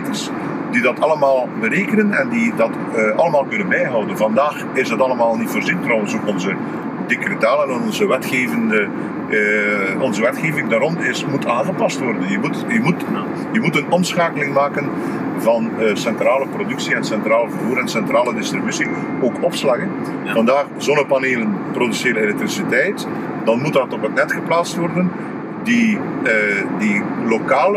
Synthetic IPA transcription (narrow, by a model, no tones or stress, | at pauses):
tərs | didɑtʰɑləmaːlˠbəɾeːkənənɛ̰ndidɑt | ɑləmaːlˠkɵnənbɛjɦɔwdənvɑndaːxɪzdɑtɑlˠəmaːlˠnitfərzintrɔwənsoːkɔnzə | dekritaːlɛnɔnɔnzəʋɛtxeːvəndə | ɔnzəʋɛtxeːvɪŋdaːɾɔnɪsmutʰaːnɣəpɑstʋɔrdənjəmutjəmut | jəmutənɔmsxaːkəlɪŋmaːkən | vɑnsɛntraːləprodʏksiɛnsɛntraːlvərvuːɾɛnsɛntraːlədɪstribysi | oːkɔpslɑɣən | vɑndaːχzonəpɑneːlənprodyseːləelɛk̚trisitɛjt | d̥ɑnmutdɑtɔpɦətnɛtxəplaːtstʋɔrdən | di | dilokaːl